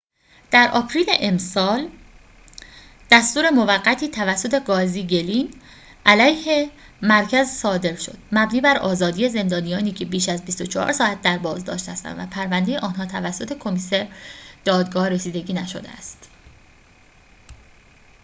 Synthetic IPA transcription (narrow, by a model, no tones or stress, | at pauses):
d̪̥æɾʔɒ̰ːpʰɾiːleʔemsɒːl | d̪̥æst̪uːɾe̞mo̞væɡːæt̪ʰiːt̪ʰævæsːo̞t̪ʰe̞ɡɒːziːɟe̞liːn | ʔælæjhe̞ | mæɾcʰæzsɒːd̪e̞ɾʃo̞̰d̪̥mæbniːbæɾɒ̰ːzɒːd̪ijeze̞nd̪ɒːnijɒːniːcʰe̞biːʃæzbist̪o̞t͡ʃʰɒɒ̰ːɾsɒːæt̪̚d̪æɾbɒːzd̪ɒ̰ːʃt̪hæst̪æ̰nvæ̰pʰæɾvænd̪ejeʔɒːnɦɒːt̪ʰævæsːo̞t̪ʰe̞kʰo̞miseɾd̪̥ɒːd̪ɡɒːhɾesiːd̪e̞ɟiːnæʃo̞̰d̪ḛæst̪